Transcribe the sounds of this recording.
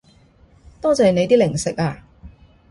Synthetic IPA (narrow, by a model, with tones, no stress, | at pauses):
t̪ɔː˥t͡sɛː˨ne˧jt̪iː˥lɪ˨˩ŋsɪ˨k̚aː˧